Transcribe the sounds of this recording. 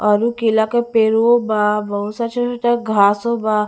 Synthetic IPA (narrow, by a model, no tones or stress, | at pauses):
əɾukilakapeɾobaʋəw̃sat͡ʃasʈaɡʱasoba